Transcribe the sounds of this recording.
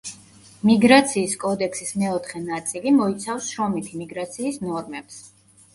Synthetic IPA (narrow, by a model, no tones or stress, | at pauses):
miɡɾat̪sʰiːskʼɔd̪ɛkʰsismɛɔt̪ʰχɛnat̪sʼilimɔit̪sʰafsʃɾɔmit̪ʰimiɡɾat̪sʰiːsnɔɾmɛps